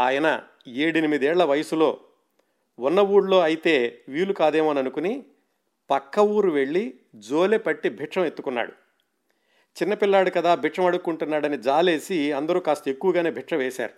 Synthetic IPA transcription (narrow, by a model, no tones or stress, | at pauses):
aːjɐnɐ̰ | eːɽinimid̪iɛːɭlːɐʋɐjɐsulo̞ː | unːɐwuːɽlo̞ːɐjit̪e̞ːʋiːlukaːd̪eːmoːnɐnukuni | pɐkːɐwuːɾuʋe̞ɭːi | d͡ʒoːlepɐʈːibʱiʈʂɐmet̪ːu̥kunːa̰ːɽu | t͡ʃinːɐpilːaːɽukɐd̪aːbʱiʈʂɐmɐɽukːuɳʈunːaːɽɐnid͡ʒaːle̞ːsiɐnd̪ɐɾuːkaːst̪ɐekːuʋɐɡaːne̞ːbʱiʈʂɐʋeːʃa̰ːɾu